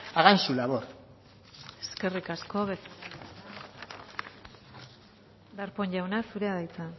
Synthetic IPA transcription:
aɣansulaβoɾ | eske̞rikasko̞βes | d̪aɾpo̞ɲʝawnasuɾe̞aðajt͡sa

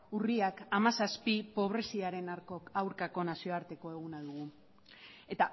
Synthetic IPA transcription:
uriakamasaspipo̞β̞ɾe̞siaɾe̞naɾko̞kawɾkako̞nasioaɾt̪e̞ko̞e̞ɣ̞unaðuɣ̞u | e̞t̪a

